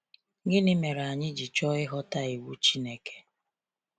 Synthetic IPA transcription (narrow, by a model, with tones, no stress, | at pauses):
ɡɪ˦nɪ˦me˨ɾa˨ɲɪ˦d͡ʒi˨t͡ʃɔ˦ɪ˦ɦɔ˦ta˦i˨wu˦t͡ʃi˦ne˨ke̥˦